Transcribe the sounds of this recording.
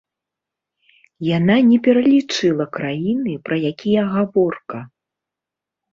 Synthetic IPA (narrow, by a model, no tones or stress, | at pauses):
jananʲɛpʲɛɾɐlʲit͡ʂɨlˠɐkɾajinɨpɾɐjakʲijɐɣavɔrkɐ